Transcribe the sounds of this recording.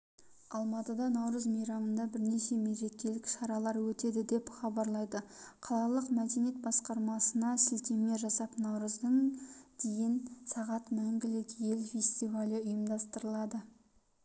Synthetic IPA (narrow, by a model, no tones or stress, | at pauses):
ɑlˠmɑt̪əd̪ɑnɑwɾəzmijɾɑmənd̪ɑbɪɾne̞ʃe̞meɾe̞k̚ʲːe̞lɪkʃɑɾɑlˠɑɾwɵt̪e̞d̪ɪd̪e̞pχɑbɑɾlˠɑjd̪əqʰɑlˠɑlˠəqmæd̪e̞nije̞t̪bɑsqɑɾmɑsənɑsɪlt̪e̞me̞ʒɑsɑpnɑwɾəzd̪əɴd̪̥ejɪnsɑʁɑt̪mæŋɡʲɪled̪je̞lfʲe̞sʲt̪ivalʲjəʊjəmd̪ɑst̪əɾəlˠɑd̪ə